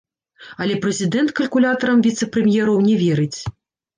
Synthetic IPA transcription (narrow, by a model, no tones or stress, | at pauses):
ɐlʲɛpɾɛzʲid̪ɛnt̪kɐlʲkulʲat̪ɐɾɐmvʲit̪sɛpɾɛmʲjɛɾɐwnʲɛvʲɛɾɨt͡sʲ